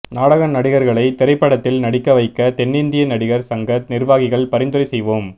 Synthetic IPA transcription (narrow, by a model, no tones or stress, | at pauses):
naːɽɐɣɐnɐɽɪɣɐɾɣɐɭɐɪt̪ɪɾɐɪpːɐɽɐt̪ːɪlnɐɽɪkːɐʋɐɪkːɐt̪ɛnːɪnd̪ɪjɐnɐɽɪɣɐɾsɐŋɡɐt̪nɪɾʋaːɣɪɣɐɭpɐɾɪnd̪ɯɾɐsɛjʋoːm